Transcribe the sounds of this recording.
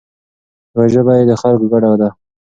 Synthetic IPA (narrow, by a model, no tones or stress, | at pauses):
waʒəbɑjed̪əxalkɡaɽawd̪a